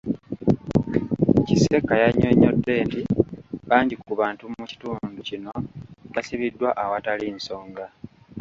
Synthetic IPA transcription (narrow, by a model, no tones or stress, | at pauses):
cise̞kːajaɲːoɲːo̞dːe̞ːntiβaːɲɟikuβaːntumuci̥tuːnducino̞βasiβidːwaʔawatalinso̞ːŋɡa